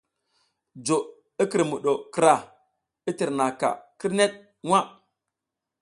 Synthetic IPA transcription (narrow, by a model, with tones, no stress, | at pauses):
d͡ʒo˨ | i˦ki˨ɾmu˨ɗo˨kɾa˨ | i˦ti˨ɾna˨ka̰˨ki˦ɾne˦t̚ | wa˦